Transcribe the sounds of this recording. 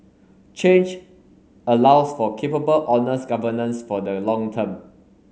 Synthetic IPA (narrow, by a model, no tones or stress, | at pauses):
t͡ʃẽnd͡ʒ | əlaʊsfɔkʰepəbəlʔɔnəsɡavənə̃nsfɔdəlɔ̃ŋtʰə̃m